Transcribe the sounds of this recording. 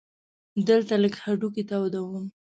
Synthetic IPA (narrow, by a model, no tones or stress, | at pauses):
d̪əlt̪aləkhaɖukit̪awd̪awəm